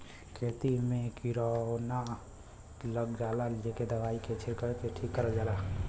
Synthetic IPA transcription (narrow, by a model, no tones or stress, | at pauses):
kʰeːt̪imẽkiɾɔna | ləɡd͡ʒaːlaleked̪əʋaːikʰet͡ʃʰɪɾkəɾek̪eʈʰikːəɾəd͡ʒaːla